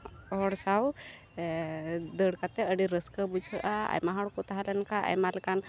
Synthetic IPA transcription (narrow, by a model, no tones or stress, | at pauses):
ɔɽsaw | d̪əɽkat̪ɛəɽiɾəskəbud͡ʒʱəʔaa̰jmaɦaɽkɔt̪aɦalɛnkaʔa̰jmalkan